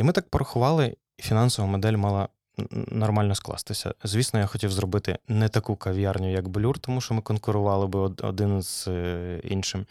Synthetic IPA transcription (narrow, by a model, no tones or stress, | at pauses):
imɪt̪ɑk̚pɔɾɐxʊʋɑlˠɪ | fʲinɑnsɔʋɐmɔd̪ɛlʲmɑlˠɐ | nɔrmɑlʲnɔsklˠɑ̰st̪ɪsʲɐ̰zʲʋʲisnɔjaxɔtʲiwzrɔbɪt̪ɪ̰nɛt̪ɐkukɐʋʲjɑrnʲʊjɐkblʲurt̪ɔmuʃt͡ʃɔmɪkɔnkʊɾʊʋɑlˠɪbɪɔ̰d̪ɪnz̥ | ḭnʃɪm